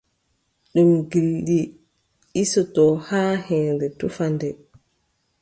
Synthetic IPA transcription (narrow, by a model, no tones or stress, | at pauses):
ɗumɡilɗi | isɔtɔhaːhɛːndɛtufandɛ